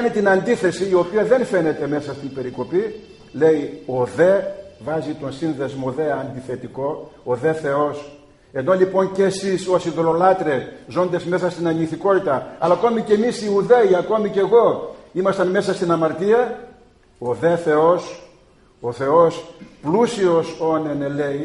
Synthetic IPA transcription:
ɐnit̪inɐnd̪iθe̞siːo̞piɐðe̞nfe̞ne̞t̪e̞me̞sɐst̪inbe̞ɾiko̞pi | le̞io̞ðe̞vɐzit̪o̞nsinðezmoðe̞ɐnd̪iθe̞t̪iko̞oðe̞θe̞o̞s | e̞nd̪olipo̞ncesiso̞siðolo̞lɐt̪ɾe̞zo̞nd̪ezme̞sɐst̪inɐniθiko̞t̪it̪ɐɐlɐko̞mice̞misiuðe̞iɐko̞mice̞ɣo̞imɐst̪ɐnme̞sɐst̪inɐmɐɾt̪iɐ | oðe̞θe̞os | o̞θe̞o̞splusio̞so̞ne̞nele̞i

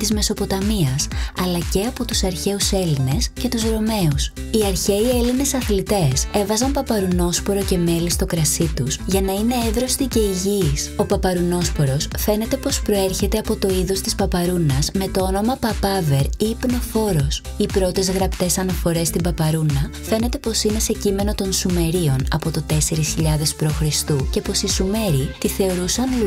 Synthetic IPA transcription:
t̪izme̞so̞po̞t̪ɐmiɐsɐlɐce̞ɐpo̞t̪usɐɾçe̞use̞line̞sce̞t̪uzɾo̞me̞us | iɐɾçe̞ieline̞sɐθlit̪e̞se̞vɐzɐmpɐpɐɾuno̞spo̞ɾo̞ce̞me̞list̪o̞kɾɐsit̪uzʝɐnɐine̞evɾo̞st̪ice̞iʝiso̞pɐpɐɾuno̞spo̞ɾo̞sfe̞ne̞t̪e̞po̞spɾo̞e̞ɾçe̞t̪eɐpo̞t̪o̞iðost̪ispɐpɐɾunɐzme̞t̪o̞ono̞mɐpɐpɐve̞ɾiːpno̞fo̞ɾo̞s | ipɾo̞t̪e̞zɣɾɐpt̪e̞sɐnɐfo̞ɾe̞st̪imbɐpɐɾunɐfe̞ne̞t̪e̞po̞sine̞se̞cime̞no̞t̪o̞nsume̞ɾio̞nɐ̰po̞t̪o̞t̪e̞se̞ɾisçiʎɐðe̞spɾo̞xɾist̪uce̞po̞sisume̞ɾit̪iθe̞o̞ɾusɐn

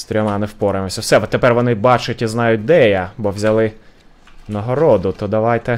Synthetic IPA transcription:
st̪ɾʲɔmɑnɪwpɔɾemɔsʲɐwsɛʋɔt̪ːepɛrʋɔnɪbɑt͡ʃʊtʲiznɑjʊt̚ʲd̪ɛjabɔwzʲɐlˠɪ | nɐɦɔɾɔd̪ʊt̪ɔd̪ɐʋɑjt̪ɛ

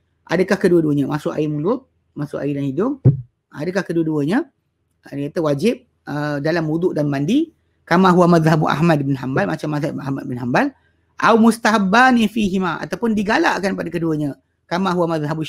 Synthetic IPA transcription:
ʔa̰dəkahkəduəduəɲəmasʊʔa̰imulʊt̪̚ | masʊʔa̰idanhidʊm | a̰dəkahkəduəduəɲə | ədkat̪əwad͡ʒɪp̚ | ədalambud̪ʊʔdanbandi | kamaɦuamaðɦabuʔa̰ɦmad̚bɪnɦambalmat͡ʃamːaðaa̰hmad̚bɪnɦambal | ʔawmust̪aɦabanifiɦimaa̰t̪awpʊndiɡala̰ʔkanpadakəduəɲə̃ | kamaɦuamaðɦabu

